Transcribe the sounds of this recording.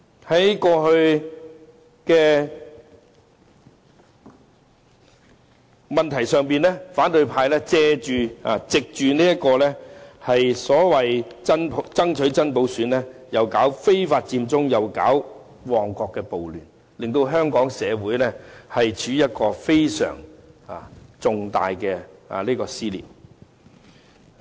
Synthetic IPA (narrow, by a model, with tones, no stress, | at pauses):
hɐ˨˥jkɔː˧hɵ˧ɥ | kɛː˧ | mɐ˨nt̪ʰɐ˨˩jsœː˨ŋpiː˨nlɛ˥faː˨˥nt̪ɵ˧ɥpʰaː˧jlɛː˥t͡sɛː˧t͡ʃyː˨a̰ː˨t͡sɪ˨k̚t͡ʃyː˨niː˥jɐ˥t̚kɔː˧lɛː˥hɐ˨jsɔː˨˥wɐ˨jt͡sɐ˥npʰt͡sɐ˥ŋt͡ʃʰɵ˨˥ɥt͡sɐ˥npo˨˥wsyː˨˥nlɛː˥jɐ˨wkaː˨˥wfe˥jfaː˧t̚t͡siː˧mt͡sʊ˥ŋjɐ˨˩wkaː˨˥w | wɔː˨˩ŋkɔː˧kːɛː˧po˨wlyː˨˩n | lɪ˨ŋt̪o˧wɦœː˥ŋkɔː˨˥ŋsɛː˨˧wuː˨˥jlɛː˥hɐ˨jt͡ʃʰyː˨˥jɐ˥t̚kɔː˧fe˥jsœ̰ː˨˩ŋa̰˨t͡sʊ˨˧ŋt̪a̰ː˨jkɛː˧a̰˨liː˥kɔː˧siː˥lḭː˨˩m